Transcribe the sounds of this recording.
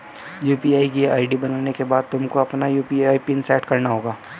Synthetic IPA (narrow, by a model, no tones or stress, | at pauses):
juːpiaːikiaːɪɖibɐnəlnekebaːd̪̚t̪ʊmkoɐpnajuːpiaːipinsɛːʈkɐɾnaɦoːɡaː